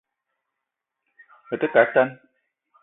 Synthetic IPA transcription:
hə˨tə˦ka˨˦ta˦n

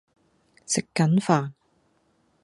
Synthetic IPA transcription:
sɪ˨kːɐ˨˥nfaː˨n

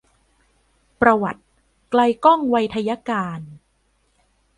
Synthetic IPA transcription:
pɾa˧wa̰˨˩t̪̚ | kla˧jkɔ˥˩ŋwa˧jt̪ʰa˧ja˦˥kaː˧n

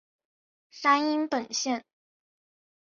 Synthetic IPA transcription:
sa˥ni˥npə˨˩nɕjɛ˥˩n

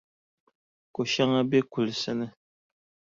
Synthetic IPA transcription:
ko˨ʃa˦ŋa˦be˦ku˨lsɨ˦nɨ˦

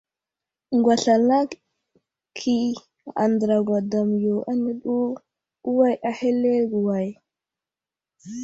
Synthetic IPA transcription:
ŋɡwa˨ɬa˨la˦ | kʰi˦ | a˨nd̪ɾa˨ɡʷa˨da˨mjo˨ʔa˦nɛ˦ɗu˦ | u˦wa˦jʔa˨he˦lːe˦ɡu˨wa˨j

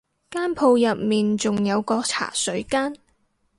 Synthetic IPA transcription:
kaː˥npʰo˧wjɐ˨p̚miː˨nt͡sʊ˨ŋjɐ˨˧wkɔː˧k̚t͡sʰa̰ː˨˩sɵ˨˥ɥkaː˥n

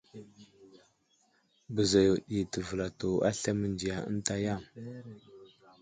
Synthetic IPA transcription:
bə˨za˨jo˨ɗi˨tə˨və˨la˨to˨a̰˦ɬa˦mə˨nd͡ʒi˨ja˨ə̰˦n˦ta˦ja˦˨m

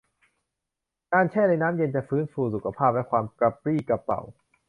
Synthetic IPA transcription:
kaː˧nt͡ɕʰɛː˥˩na˧jnaː˦˥mje˧nt͡ɕa˨˩fɯː˦˥nfuː˧su˨˩kʰa˧pʰaː˥˩p̚lɛ˦˥kʰwaː˧mka˧p̚ɾiː˥˩ka˨˧pːa̰˨˩w

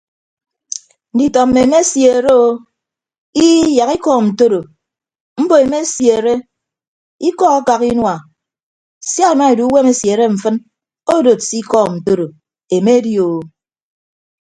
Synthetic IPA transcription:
n̩˨di˨tɔ˨m̩ː˦˨e˨e˨me˦sje˨ɾe˦o˦ | i˦ja˨ki˦kɔː˦˨n̩˨to˦ɾo˨ | m̩˦bo˨e˨me˦sje˨ɾe˦ | i˦kɔ˦a˦ka˨ki˦nwa˨ | sja˦e˨ma˦e˨du˨˦we˦me˦sje˨ɾe˦ɱ̩˨fɨ˦n | o˦do˨si˦kɔ˦n̩˨to˦ɾo˨ | e˨me˦djo˨

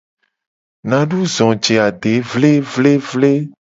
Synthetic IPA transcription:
nã˨ɖu˦zɔ̃˨d͡ʒe˨a˨ɖe˨˦vle˦vle˦vle˦

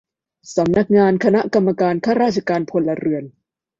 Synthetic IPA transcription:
sa˩˦mna˦˥k̚ŋaː˧nkʰa˧na˦˥ka˧mːa˧kaː˧nkʰaː˥˩ɾaː˥˩t̚t͡ɕʰa˧kaː˧npʰo˧nlːa˧ɾɯ˧˩ən

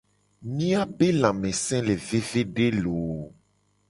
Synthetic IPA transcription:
mĩ˦a˦be˦lã˨mẽ˨sɛ̃˦le˨ve˦ve˦ɖe˦lo˨

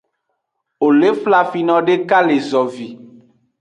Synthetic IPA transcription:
o˨le˦fla˨fi˨nɔ̃˨ɖe˦ka˦le˨zɔ˨vi˨

